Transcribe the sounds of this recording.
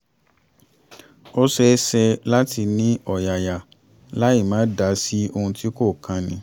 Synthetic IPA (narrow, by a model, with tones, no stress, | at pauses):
o˦sɛ˧˦sɛ˧la˦ti˧nĩ˦ɔ˦˨ja˨ja˨ | la˨˦i˦˨mãː˨˦da˧˦si˦o˧hũ˧ti˦ko˦˨kʰã˧nĩ˧˦